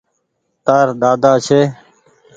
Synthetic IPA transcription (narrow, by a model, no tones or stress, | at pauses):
t̪aːɾɗ̪aːd̪aːt͡ʃʰeː